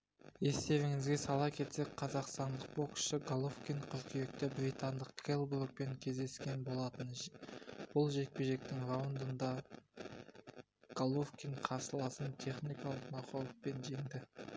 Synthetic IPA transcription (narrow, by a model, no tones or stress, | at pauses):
e̞st̪e̞vɪŋɪzɡʲesɑlˠɑkʲʰe̞t̪sek̚ʲqʰɑzɑqst̪ɑnd̪əq̚bokʃɪɡalˠofkʲijɴkʲʰʏɾkʲeje̞k̚t̪ɪbɾijt̪and̪əq̚ɡ̥elˠburk̚pe̞ŋkʲʰe̞zd̪e̞skʲe̞nbo̞lˠɑt̪ən | b̥ʊlˠʒe̞k̚peʒe̞k̚t̪ɪŋɾowənd̪ənd̪ɑ | ɡ̥alˠofkʲiɴqʰɑsəlˠɑsənt̪ʰe̞χnijkɑlˠəqmɑqolˠəq̚pe̞nʒe̞ŋd̪ɪ